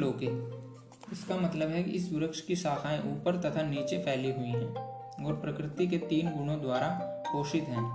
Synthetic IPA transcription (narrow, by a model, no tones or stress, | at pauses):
loːkɛ̃ː | ɪskamɐt̪ləbɦɛkḭʔɪs̬ːʊɾəkʃkiʃaːkʰaːẽʔuːpəɾt̪ɐt̪ʰaniːt͡ʃepʰɛːliɦʊiɦɛ̃ː | ɡoːɽpɾəkɾɪt̪ik̬et̪iːnɡʊɽ̃õd̪waːɾakoːʃɪt̪ɦɛ̃ː